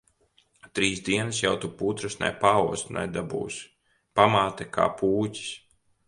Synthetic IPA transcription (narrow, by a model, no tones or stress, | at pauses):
t̪ɾiːzd̪iɛnɨsjawt̪upuːt̪ɾɨsna̰jpaːuɔst̪na̰jd̪abṵːsʲ | pamaːt̪ɛkʰa̰ːpuːcʲi̥s